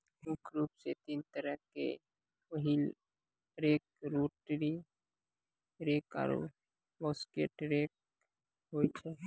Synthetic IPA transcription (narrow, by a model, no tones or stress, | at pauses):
ɦukɾuːpset̪iːnt̪əɾəɦkḛ | wəɦil | ɾeːk̚ɾoːʈɾi | ɾeːka̰ːɾo̰ | boːskḛʈɾeːk̚ | ɦoːit͡ʃʰeː